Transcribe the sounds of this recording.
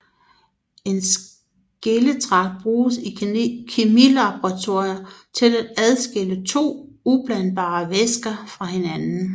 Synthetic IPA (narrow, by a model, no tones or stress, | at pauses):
e̝ns | ɡ̥elət͡sʰʁɑ̈ɡ̥̚b̥ʁuːsikʰimilɑb̥ʁɑt͡sʰo̝ɐ̰jɐt͡sʰe̝læd̥æð̞ˠsɡ̥elət͡sʰo̝̰ː | ub̥lænb̥ɑ̰̈ːʋesɡ̥ɐfʁɑ̈he̝nænn̩